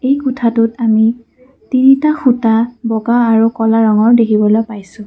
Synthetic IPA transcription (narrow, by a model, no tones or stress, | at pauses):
ejkutʰatʊtami | tinitaxutabɔɡaːɹukɔlaɹɔŋɔɹdekʰibɔlojpajsʊ̃